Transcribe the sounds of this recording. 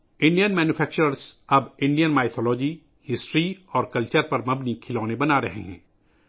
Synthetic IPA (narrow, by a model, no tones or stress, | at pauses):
ɪ̃ɳɖijənmɛːnjufʰɛːk̚t͡ʃəɾəɾzɐbɪ̃ɳɖijənmaːɪt̪ʰɔːlɔːd͡ʒi | hɪsʈɾiɔːɾkɐlt͡ʃəɾpɐɾmɐbnikʰɪlɔːnebɐnaɾɐ̰ɦḛɦɛ̰̃ː